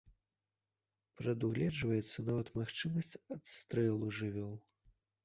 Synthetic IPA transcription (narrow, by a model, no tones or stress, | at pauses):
pɾɐd̪uɣlʲɛd͡ʐvɐjɛt̪sːɐnavɐt̪maxt͡ʂɨmɐsʲt͡sʲɐt̪st̪ɾɛlˠuʐɨvʲɔlˠ